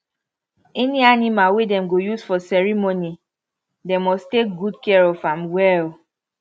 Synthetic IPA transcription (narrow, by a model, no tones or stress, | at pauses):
ɛnianimalwedɛ̃mɡojusfɔsɛɹimoni | demɔstek̚ɡudkɛɹɔfãmwɛl